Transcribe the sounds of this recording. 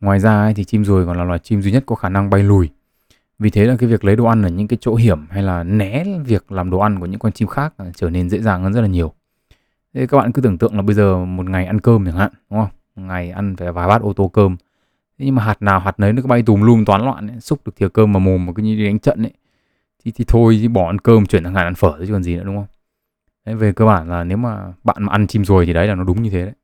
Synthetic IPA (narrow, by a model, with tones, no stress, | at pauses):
ŋwaː˨˩jzaː˧a˧˦jt̪ʰi˨˩t͡ɕi˧mzo˨˩jkɔ̰˨nlaː˨˩lwaː˨˩jt͡ɕi˧mzu˧ɲə˦˥t̚kɔ˨˦xaː˧˩na˧ŋɓa˧jlu˨˩j | vi˨˩t̪ʰe˨˦la˨˩kaː˨˦jvi˨˩ək̚lə˨˦jɗo˧˨˩ʔa˧nʔəː˧˩ɲɨ̰˧˥ŋkaː˨˦jt͡ɕo̰˧˥ɦi˧˩əmha˧jlaː˨˩nɛ˨˦vi˨˩ək̚laː˨˩mɗo˨˩ʔa˧nku˧˩əɲɨ̰˧˥ŋkɔ˧nt͡ɕi˧mxaː˦˥k̚a˨˩t͡ɕəː˧˩ne˧nzḛ˧˥zaː˨˩ŋhə˧˩nzə˦˥t̚laː˨˩ɲi˨˩əw | t̪ʰe˨˦kaː˦˥ɓa̰ː˧˨kɨ˨˦ɨ˧˩t̪ɨ̰˧˨əŋlaː˨˩ɓə˧jzəː˨˩mo˨˩t̚ŋa˨˩jʔa˧nkəː˧mɨ˨˧˩ŋha̰ː˧˨ɗʊ˨˦ŋ͡mə˧wŋa˨˩jʔa˧nfaː˧˩˨vaː˨˩jɓaː˦˥t̚ʔo˧t̪o˧kəː˧m | t̪ʰe˨˦ɲɨ˧ŋmaː˨ɦaː˨˩t̚naː˨˩wɦaː˨˩t̚nəː˨˦jnɔ˨˦kaː˦˥ɓa˧jt̪u˨˩ŋ͡mlu˧əŋt̪waː˨˦nlwa̰ː˧˨nə˨˦jsʊ˦˥k͡p̚ɗɨ˨˩ək̚t̪ʰi˨ə˩kəː˧mːaː˨˩mo˨˩m˨˩kːaː˨˦jɲi˧˦ɗi˨˧˦ɗa˨˦ŋt͡ɕə̰˧˨nʔə˨˧˦j | t̪ʰi˨˩t̪ʰi˨˩t̪ʰo˧ji˨˦ɓɔ˧˩ʔa˧nkəː˧mt͡ɕwi˧˩ənʰa˧˩ŋaː˨˩ʔa˧nfəː˧˩t̪ə˨˦kɔ˨˩nzi˨˩nɨ̰˧˥ʊ˨˦ŋ͡mhə˧wŋ͡m | ɗə˨˦jve˨˩kəː˧ɓaː˧˩nlaː˨˩ne˨˦wmaː˨˩ɓa̰ː˧˨nmaː˨˩ʔa˧nt͡ɕi˧mzo˨˩jt̪i˨˩ɗə˨˦laː˨˩nɔ˨˦ɗʊ˨˦ŋ͡mɲɨ˧t̪ʰe˨˦ɗə˧˦j